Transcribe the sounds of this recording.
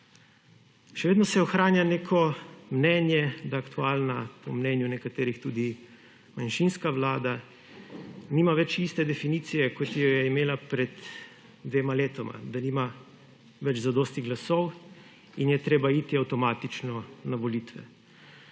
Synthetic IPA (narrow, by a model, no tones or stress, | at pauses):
ʃɛʋeːd̪nɔsɛɔxɾaːnjaneːkʰɔmnɛːnjɛd̪aːkt̪uaːlnapɔmnɛnjunɛkat̪eːɾixt̪uːd̪i | manʃinskaʋlaːd̪a | niːmaʋɛt͡ʃist̪ɛd̪ɛfiniːt̪sijɛkɔt̪jɔjɛimeːlapɾɛd̪ | d̪ʋeːmaleːt̪ɔmʔa̰d̪aniːma | ʋɛd͡ʒzad̪oːst̪iɣɡlasɔw | injɛt̪ɾeːbait̪iawt̪ɔmaːt̪it͡ʃnɔnaʋɔlit̪ʋɛ̰